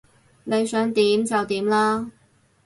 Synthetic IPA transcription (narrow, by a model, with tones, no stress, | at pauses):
ne˨˧jsœː˨˥ŋt̪iː˨˥mt͡sɐ˨wt̪iː˨˥mlaː˥